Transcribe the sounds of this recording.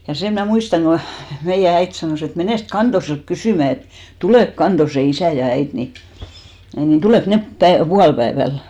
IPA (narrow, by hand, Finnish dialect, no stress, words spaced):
jɑ sem mnæˑ muistɑŋ ɡ̊o meijæ æit sɑnoˑs et meneˑst kɑntoselt kysyˑmæ et tuleˑk kɑntose isæ jɑ æit ni ni tuleˑk nep pæe puɑlpæeʋæl